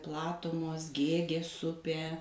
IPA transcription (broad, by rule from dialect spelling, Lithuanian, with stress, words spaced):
ˈplˠɑːtʊmoːs ˈɡʲeːɡʲeːs ˈʊpʲeː